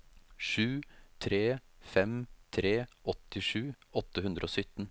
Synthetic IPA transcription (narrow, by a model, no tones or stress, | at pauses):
ʂʉːt̪ʰɾeːfɛmt̪ʰɾeːʔɔt̪ɪʂʉːɔt̪ːəɦʉnd̪ɾʔoːsʏt̪n̩